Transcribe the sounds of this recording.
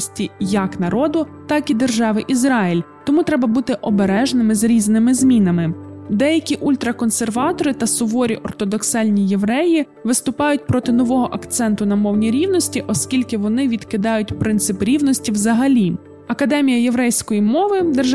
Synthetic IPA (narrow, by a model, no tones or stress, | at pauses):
sʲtʲijɐknɐɾɔd̪ʊt̪ɑkid̪erʒɑʋɪʔizɾɑjɪlʲ | t̪ɔmut̪ɾɛbɐbut̪ɪʔɔbeɾɛʒnɪmɪzɾʲiznɪmɪzmʲinɐmɪd̪ɛjɐkʲiʔulʲt̪ɾɐkɔnserʋɑt̪ɔɾɪt̪ɐsʊʋɔɾʲiʔɔrt̪ɔd̪ɔksɑlʲnʲije̞ʋɾɛji | ʋɪst̪ʊpɑjʊt̚ʲpɾɔt̪ɪnɔʋɔɦɔʔɐkt̪sɛnt̪ʊnɐmɔwnʲiɾʲiwnɔsʲtʲiʔɔskʲilʲkɪʋɔnɪʋʲid̪kɪd̪ɑjʊt̚ʲpɾɪnt̪sɪpɾʲiwnɔsʲtʲiwzɐɦɐlʲi | ɐkɐd̪ɛmʲijɐjeʋɾɛjsʲkɔjimɔʋɪd̪erʒ